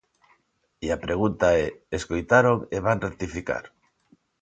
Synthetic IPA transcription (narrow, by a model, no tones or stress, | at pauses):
iapɾeɣ̞unt̪aɛeskojt̪aɾoŋeβanret̪ifika̰ɾ